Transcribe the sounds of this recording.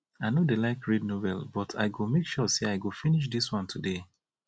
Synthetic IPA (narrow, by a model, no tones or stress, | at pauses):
aɪnodelaɪkɹidnovɛ̰lˠbɔtʰa̰ɪɡomekʃɔseaɪɡofiniʃ̬diswʌ̃ntʰude